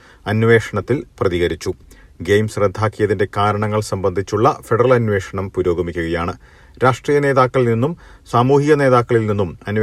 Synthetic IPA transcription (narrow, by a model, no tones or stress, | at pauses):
ɐnʋe̞ːʂɐɳɐt̪ːilprɐðiɣɐɾit͡ɕːu | ɡejmsred̪ʱːaːkːijɐðinde̞kaːɾɐɳɐŋːɐɭsɐmbɐnd̪ʱit͡ɕːuɭːɐfeɽɐrɐlɐnʋe̞ːʂɐɳɐmpuɾo̞ːɡɐmikʲːuɣɐjaːɳɨ | ɾaːʂʈriːjɐne̞ːðaːkːɐɭlninːum | saːmuːhiɣɐne̞ːðaːkːɐɭilninːumɐn